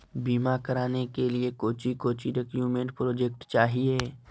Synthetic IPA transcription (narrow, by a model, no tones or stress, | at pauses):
biːmakɐɾaːnekeliekoːt͡ʃikoːt͡ʃiɾekjuːmẽɳʈ̚pɾoːd͡ʒek̚ʈt͡ʃaːɦieː